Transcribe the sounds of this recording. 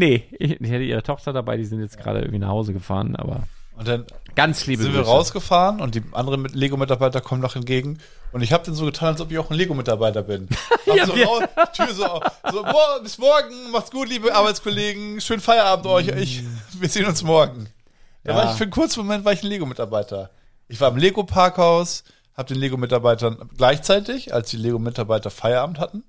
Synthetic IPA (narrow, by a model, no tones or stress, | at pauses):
nəʔɪɪçhɛtəʔiːʁətʰɔχtɐdaba̰ɪdiːzɪntjɛt͡sɡ̥ʁa̰ːdə̰ʔɪ̰ŋ̩v̥iːna̰χhaʊzəɡəfa̰ːʁənʔa̰ːbɐ̰ʔʊnt̚d̥anɡ̥ant͡ssliːbɪntviːɐʁaʊsɡ̥əfaːʁənʊnt̚d̥iːʔa̰ndəʁənmɪleːɡomɪtaɐbaɪtɐkʰɔmənːɔχhɛnt̚ɡ̥eːɡŋ̩ | ʔʊntɪçhaːbəd̥anzoːɡətʰaːnalsɔpɪçaʊxn̩leːɡomɪtaɐbaɪtɐbɪnazoaʊtʰːzoazoːmɔbɪsmɔɐɡŋ̩maχtsɡ̥uːtliːbəʔaɐbaɪt͡skʰɔleːɡŋ̩ʃøːnfaɪɐʔaːbm̩tʔɔʏçɪçviːɐzeːnʊnsmɔɐɡŋ̩ | d̥aːvaɪfːɐnkʰʊɐt͡smomɛntv̥aɐɪçnleːɡomɪtaɐbaɪtʰɐ | ʔɪçv̥aːɐɪmleːɡopʰaɐkhaʊs | haːbədeːnleːɡomɪtaɐbaɪtɐnɡ̥laɪçt͡saɪtɪça̰lsd̥iːleːɡomɪtaɐbaɪtɐfaɪɐʔaːbm̩thatn̩